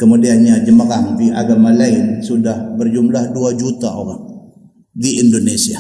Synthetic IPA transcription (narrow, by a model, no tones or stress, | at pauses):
kəmudianɲad͡ʒəmaɾaŋtiʔa̰ɡamalaɪnsudahbərd͡ʒumlahduad͡ʒut̪aʔoɾaŋ | diindonesia